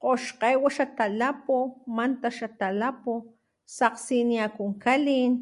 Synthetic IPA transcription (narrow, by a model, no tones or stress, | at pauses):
qoʃqeːwaʃat̪alapomant̪aʃat̪alapo | saqsiniakuŋkalin